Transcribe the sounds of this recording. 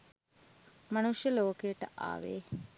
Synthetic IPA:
mɐnuʃjəloːkeːʈə̰ʔa̰ːʋḛː

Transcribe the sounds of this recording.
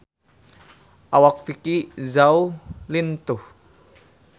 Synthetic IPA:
ʔawak̚fikizawlint̪u

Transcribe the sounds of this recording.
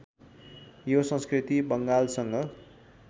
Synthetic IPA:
josʌ̃nskrit̪ibʌŋɡalsʌŋɡʌ

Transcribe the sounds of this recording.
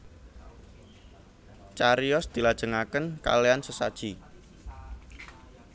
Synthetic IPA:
t͡ʃaɾiɔsd̪̥ilad̥ʒ̥ə̤ŋakənka̰leansəsad̥ʒ̥i

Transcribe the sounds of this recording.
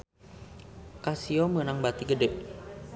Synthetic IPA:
kasiɔmənaŋbat̪iɡədɛʔ

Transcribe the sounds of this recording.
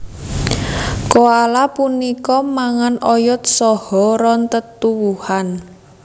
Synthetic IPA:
koalapunikɔmaŋanʔɔjɔt̪̚sɔhɔɾɔnt̪ət̪uwuhan

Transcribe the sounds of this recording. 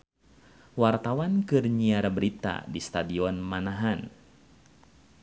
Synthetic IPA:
wart̪awankɨrɲiaɾabəɾit̪a̰dist̪adiɔnmanaɦan

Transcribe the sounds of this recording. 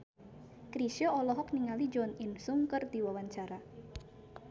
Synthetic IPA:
kɾiʃjɔɔlɔɦɔk̚niŋalid͡ʒɔnɪnsuŋkɨrd̪iwawaɲt͡ʃaɾa

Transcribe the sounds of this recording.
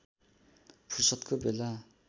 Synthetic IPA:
pʰursʌt̪kʰobela

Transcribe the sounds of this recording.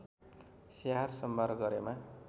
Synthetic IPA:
seɦarsʌmbʱarɡʌɾema

